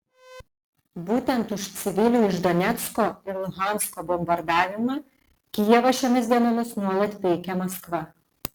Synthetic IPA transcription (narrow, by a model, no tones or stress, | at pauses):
buːt̪ʲɛnt̪ʊʃt̪sʲɪʋʲɪlʲuːɪʒd̪ɔnʲɛt̪skoːɪɾlˠʊɣɑˑnskoːbɔmbɐɾd̪ɑːʋʲɪmɑː | kʲɪjɛʋɐʃʲomʲɪsd̪ʲiɛnomʲɪsnuɔlˠɐt̪pʲɛɪkʲɛmɐskʋɐ